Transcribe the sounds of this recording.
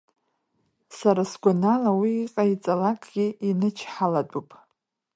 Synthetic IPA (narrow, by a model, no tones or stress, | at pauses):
saɾasɡʷanalawiːqʼait͡sʼalakʼɡʲiinɨt͡ʃʰħalatʷʼupʼ